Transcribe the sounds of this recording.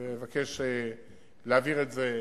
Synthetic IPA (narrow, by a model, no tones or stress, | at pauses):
emevakʰeʃe | leaviʁetze